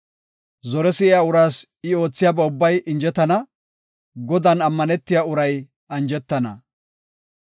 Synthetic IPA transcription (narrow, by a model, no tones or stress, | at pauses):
zɔɾɛsɪʔɪjaːʊɾaːs | ɪo̞ːt͡sːɪjaːbɛʊbːɐjɪnd͡ʒɛt̪ːɐnɐ | ɡɔd̪ɐnɐmːɐnɛt̪ːɪjaʊɾɐj | ɐnd͡ʒɛt̪ːɐnɐ